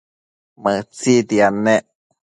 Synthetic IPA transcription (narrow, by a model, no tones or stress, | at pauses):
mət͡sid̪iane